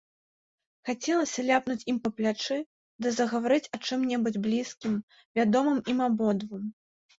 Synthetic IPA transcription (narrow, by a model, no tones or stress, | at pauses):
xat͡sʲɛlˠɐsʲɐlʲapnut͡sʲimpɐplʲat͡ʂɨ | d̪ɨzɐɣɐvaɾɨt͡sʲɐt͡ʂɨmnʲɛbud͡zʲblʲiskʲim | vʲad̪ɔmɨmimabɔd̪vɨm